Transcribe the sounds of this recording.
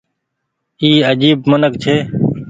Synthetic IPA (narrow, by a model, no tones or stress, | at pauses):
iːəd͡ʒiːbmənəkt͡ʃʰeː